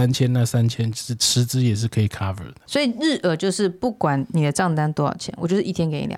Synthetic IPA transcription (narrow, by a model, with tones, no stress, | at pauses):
a˦nt͡ɕʰjɛ˦nna˥˧sa˦nt͡ɕʰjɛ˦nʂɻ̩˥˩t͡s̩ʰ˧˥t͡sɹ̩˥jɛ˨˩ʂ̬ɻ̩˥˩kʰɤ˧˦˥i˨˩kʰa˦˥və̰˨˩d̪ə˦swɔ˧˥i˨˩ɻ̩˥˩ʔə˨˩t͡ɕjo˥˧ʊʂɻ̩˥˧pu˥˩kwa˨˩nni˨˩d̪ə˦ʈ͡ʂɑ˥˧ŋt̪a˥nt̪wo˥jɑ̰˨˩ʊt͡ɕʰjɛ̰˧˥˦nwɔ˨˩t͡ɕjo˥˧ʊʂ̩˥˧i˥˩t̪ʰjɛ˥nke˧˥ɪḭ˧lj̰